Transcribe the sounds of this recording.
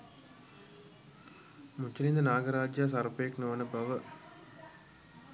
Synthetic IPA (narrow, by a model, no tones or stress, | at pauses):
mut͡ʃːinind̪ənaːɡəɾaːd͡ʒjas̬aɾpəjeknoʋənəbɐʋə